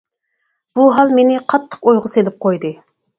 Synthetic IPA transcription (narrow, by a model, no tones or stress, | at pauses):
b̥uɦɑlˠmenɪqʰɑt̪ʰːə̥qojʁəselɪp̚qʰojd̪ɨ